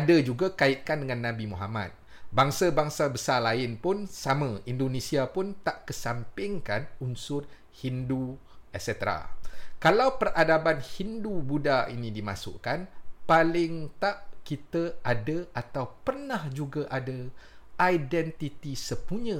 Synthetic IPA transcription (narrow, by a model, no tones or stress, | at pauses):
adad͡ʒuɡakaɪt̪̚kandəŋãnːãbimuɦama̰t̪̚ | baŋsabaŋsabəsalaɪnpʊnsamãindonẽsiapʊnt̪aʔkəsampɪŋkanunsʊt̪̚ | hindu | ɛsɛt̪əɾa̰kalawpəradabanhindubudaḭnĩdima̰sʊ̰ʔkanpalɪŋt̪aʔkit̪əadəʔat̪awpərnahd͡ʒuɡaʔadaʔajdɛnt̪it̪isəpuɲə̃